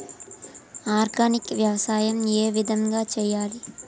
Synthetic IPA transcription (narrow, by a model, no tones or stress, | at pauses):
aːɾɡaːnikʋjɐʋɐsaːjɐmeːʋid̪ʱɐŋɡaːt͡ʃɛjːaːli